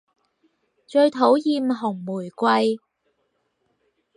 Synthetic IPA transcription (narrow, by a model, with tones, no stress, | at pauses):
t͡ʃɵ˧ɥt̪ʰo˨˥wjiː˧mɦʊ˨˩ŋmuː˨˩jkʷɐ˧j